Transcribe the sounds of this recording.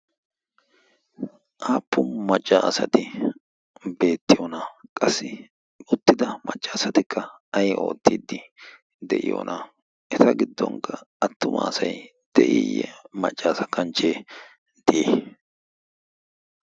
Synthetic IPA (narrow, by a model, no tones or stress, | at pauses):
ʔaːpːʊmɐt͡ʃʼːaɐsɐt̪ɪ | be̞ːt̪ːɪjonɐkʼɐsːɪ | ʊt̪ːɪd̪ɐmɐt͡ʃʼːɐːsɐt̪ɪkʰːɐ | ɐjʔo̞ːt̪ːiːd̪ːɪ | d̪ɛʔɪ̰jo̰ːnʔɐ | ʔɛt̪ɐɡɪd̪ːɔ̰ŋkːɐɐt̪ːʊmɐ̰ːsɐj | d̪̥ɛʔḭjɛ̰mɐt͡ʃʼːaːsɐkʰɐnt͡ʃːeː | d̪̥ɪʔeː